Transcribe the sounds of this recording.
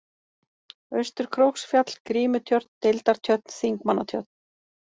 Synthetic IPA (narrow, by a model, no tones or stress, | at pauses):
œɥst̪ʏɾ̥kʰɾowksfjat̪l̥kɾiːmʏt̪ʰjœɾt̪n̥t̪elt̪aɾ̥t̪ʰjœt̪n̥θiŋkmanːat̪ʰjœt̪̚n̥